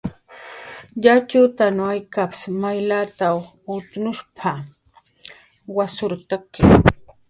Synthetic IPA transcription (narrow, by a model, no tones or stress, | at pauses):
ʎat͡ʃʊt̪anʊajkapɪ̥smajlat̪aw | ʊt̪nʊʃpʰa | wasʊɾt̪akɪ